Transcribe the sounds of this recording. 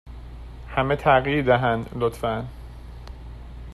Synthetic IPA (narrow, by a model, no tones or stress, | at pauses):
hæmet̪ʰæɣjiɾd̪æɦænd̪lot̪fæn